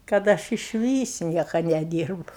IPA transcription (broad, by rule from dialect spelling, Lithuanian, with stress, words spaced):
kɐt ˈɐʃ ɪʃʲˈʋʲiːs ˈnʲiɛkɐ nʲɛˈdʲiːrbʊ